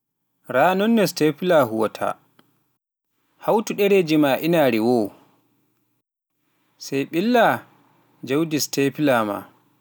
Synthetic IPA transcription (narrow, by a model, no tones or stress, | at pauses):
ɾanɔnːɛstepilaɦuwɔtʰa̰ | hawtuɗɛɾed͡ʒimaʔinaɾiwɔ | sɛjɓilːa | d͡ʒawdistepilama̰